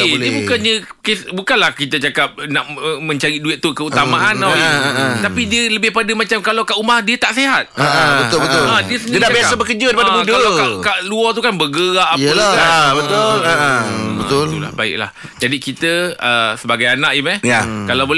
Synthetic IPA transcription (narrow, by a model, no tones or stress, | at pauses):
iiəbukanɲə̃kesbukanlahkit̪ət͡ʃakap̚naʔəmə̃ɲt͡ʃaɾiduɪt̪̚t̪ukəut̪ammaʔanait̪apidiələbɪhpadəmãt͡ʃamkalawkaʔumahdiət̪aʔseɦat̪̚aʔbəʊbət̪ʊadiəsədniənaʔbiasabəkəd͡ʒəaɾipaabudəaaakaʔluɔt̪ukanbəɡəɾaʔalaabət̪olabət̪ʊlula̰hbaɪ̰k̚la̰h | d͡ʒadikit̪əəsəbaɡajanaʔimãnjakalawbol